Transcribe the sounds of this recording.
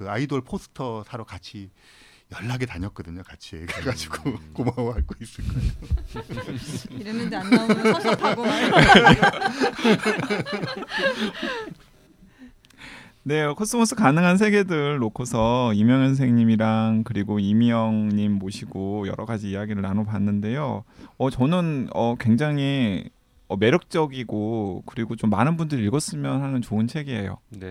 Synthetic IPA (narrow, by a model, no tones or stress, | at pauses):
kɯaidoɭpʰosʰɯ̥tʰʌsʰaɾokat͡ɕʰi | jʌɭːaɡetaɲʌt̚k͈ʌdɯɲokat͡ɕʰieɡɡad͡ʑi̥ɡ̥okomaoɦaɭɡois͈ɯk͈ | ne̞kʰos͈ʰɯmos͈ʰɯkanɯŋɦans̬ʰe̞ɡe̞dɯɭːokʰosʰʌimjʌŋjʌns̬ʰe̞ŋɲimiɾaŋkɯɾiɡoimjʌŋɲimːoɕʰiɡojʌ̰ɾʌɡad͡ʑiːjaɡiɾɯɭnanopanːɯnde̞joʌt͡ɕʌnɯnʌkwe̞ŋd͡ʑaŋi | ʌme̞ɾjʌk̚t͡ɕ͈ʌɡiɡokɯɾiɡot͡ɕomːanɯnbundɯɾiɭɡʌs͈ɯmjʌnhanɯnt͡ɕoɯnt͡ɕʰe̞ɡeɦḛjo̰n